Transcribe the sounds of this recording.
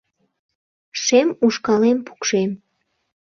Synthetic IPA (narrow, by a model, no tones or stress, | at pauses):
ʃemuʃkɑlempʰu̥kʃem